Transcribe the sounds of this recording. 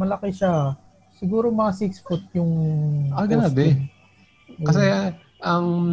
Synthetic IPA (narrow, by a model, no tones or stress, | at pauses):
mɐlɐkɪʃa | sɪɡuːɾomɐkɐsiksfʊt̪̚jʊŋaɡɐnab̪ɛ | kɐsɛ | ʔɐŋ